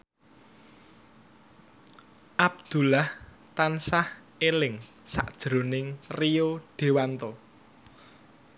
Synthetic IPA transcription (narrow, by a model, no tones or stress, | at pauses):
ʔab̚d̪̥ṳlah | t̪ansah | elɪŋ | sa̰ʔd̥ʒ̥ɾo̤nɪŋrioɖ̥e̤want̪o